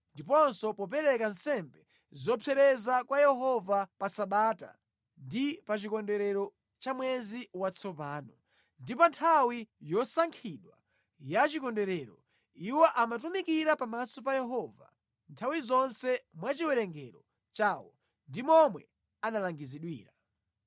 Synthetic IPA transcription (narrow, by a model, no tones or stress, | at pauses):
ndipɔnsɔpɔp̬ɛɾɛkansɛmbɛ | zɔpʰɛɾɛzakwajɛɦɔvapasaɓaːta̰ | ndipat͡ʃikɔndɛɾɛɾɔ | t͡ʃamwɛziwat͡sʰɔpaːnɔ | ndipɔntʰawijɔsaŋkʰiɗwa | jat͡ʃikɔndɛɾɛːɾɔ | iwɔʔamatumikiɾapamasɔpajɛɦɔva̰ | ntʰawizɔnsɛmwat͡ʃiwɛɾɛŋɡɛɾɔ | t͡ʃaːwɔ | ndimɔmwɛ | analaŋɡiziɗwḭːɾa